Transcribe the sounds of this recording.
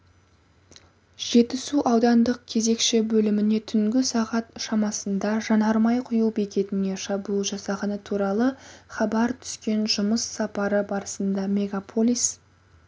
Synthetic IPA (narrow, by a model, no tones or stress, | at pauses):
ʒ̥e̞t̪ɪsuʔɑwd̪ɑnd̪əq̚kʲʰe̞ze̞kʃɪbɵlɪmɪne̞t̪ʰʏŋɡʲɪsɑʁɑt̪ʃɑmɑsənd̪ɑʒɑnɑɾmɑjqʰʊjuwbekʲe̞t̪ɪne̞ʃɑbuʒɑsɑʁɑnət̪ʰuɾɑlˠəχɑbɑɾt̪ʰʏ̥skʲe̞nʒʊməsːɑpɑɾəbɑɾəsənd̪ɑmʲe̞ɡapʰolʲˠis